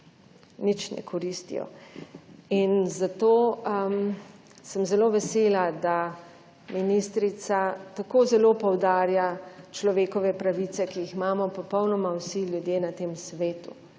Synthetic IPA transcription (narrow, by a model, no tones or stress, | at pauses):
nit͡ʃnɛ̰kʰɔɾist̪ḭjɔ̰ | inzat̪oːm | səmzɛloʋɛseːlad̪a | minist̪ɾit̪sat̪akoːzɛloːpɔwd̪aːɾjat͡ʃlɔʋeːkɔʋɛpɾaʋit̪sɛkiiximaːmɔpɔpɔwnɔmawsilʲjud̪jeːnat̪eːmsʋeːt̪u